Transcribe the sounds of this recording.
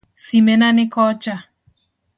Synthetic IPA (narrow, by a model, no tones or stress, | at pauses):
simɛnanɪkɔt͡ʃa